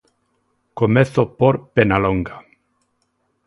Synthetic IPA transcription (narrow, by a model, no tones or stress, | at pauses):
komeθopoɾpenaloŋɡa